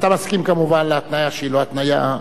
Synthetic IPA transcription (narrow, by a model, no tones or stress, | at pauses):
t̪amaskimkamuvanleat̪najaʃeiloat̪naja